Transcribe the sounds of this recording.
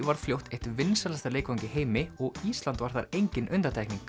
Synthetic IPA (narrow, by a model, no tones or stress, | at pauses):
vaɾ̥fljowht̪eht̪ʏɾvɪnsɛlast̪aleːjkvawɲcɪheːjmɪɔɣiːst̪lant̪vaɾ̥θa̰ɾejɲcɪnʔʏnt̪aɾt̪ajkniŋk